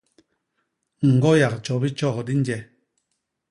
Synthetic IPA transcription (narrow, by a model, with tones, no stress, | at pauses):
ŋ̩˨ɡɔ˦ja˨k̚t͡ʃɔ˨bi˦t͡ʃɔ˦˨kdi˦n˦d͡ʒɛ˦